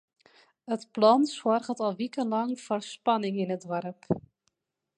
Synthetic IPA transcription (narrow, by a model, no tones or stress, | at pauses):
ətplɔnswɔrɣətɔlˠʋikəlɑŋv̥orspɑnɪŋɪnədʋɔɾəp